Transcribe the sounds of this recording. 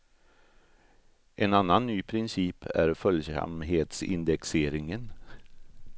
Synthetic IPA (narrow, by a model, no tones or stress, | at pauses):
ʔɛnanːanːyːpʰɾɪnsiːpʰæɾfœljsa̰mɦeːt̪sɪ̰nd̪ɛkseːɾɪŋən